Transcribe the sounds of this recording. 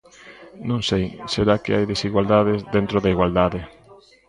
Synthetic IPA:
nõŋsejseɾakeajðesiɣwald̪aðezðent̪ɾoðaiɣwald̪aðɪ

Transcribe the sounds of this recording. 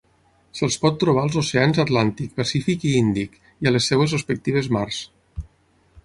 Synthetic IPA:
səlˠspɔt̪ːɾuβ̞alˠzoseanzat̪lant̪ik̚pasifikiind̪ik | ialesːɛwezrespək̚t̪iβ̞ezmars

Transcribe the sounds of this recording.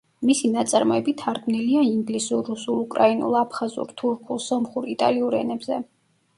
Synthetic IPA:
misinat̪sʼaɾmɔɛbit̪ʰaɾɡmniliaiŋɡlisuɾːusulˠukʼɾainṵlˠapʰχazṵɾt̪ʰuɾkʰulˠsɔmχuɾit̪ʼa̰liuɾɛ̰nɛbzɛ

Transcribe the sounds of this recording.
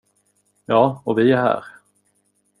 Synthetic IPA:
jɑːɔvɪæɾɦæ̰ːɾ

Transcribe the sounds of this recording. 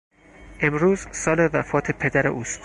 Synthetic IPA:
ʔe̞mɾuːzsɒːle̞væfɒːt̪ʰe̞pʰe̞d̪æɾḛʔuːst̪

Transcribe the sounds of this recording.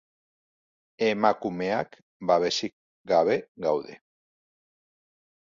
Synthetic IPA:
emakumeak | baβe̞sik̚ | ɡaβ̞e̞ɣawðe̞̰

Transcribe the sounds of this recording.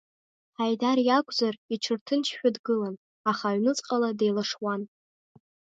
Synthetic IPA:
ħajdarjakʷʼzariʈ͡ʂʰɨrtʰɨnt͡ʃʰħʷᶣadɡɨlan | aχaɥnɨt͡sʼqʼaladejlaʂwan

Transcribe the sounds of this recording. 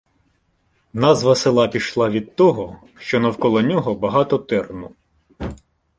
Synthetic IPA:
nɑzʋɐselˠɑpʲiʃlˠɑʋʲid̪̚t̪ɔɦɔ | ʃt͡ʃɔnɐwkɔlˠɔnʲɔɦɔbɐɦɑt̪ɔt̪ɛrnu

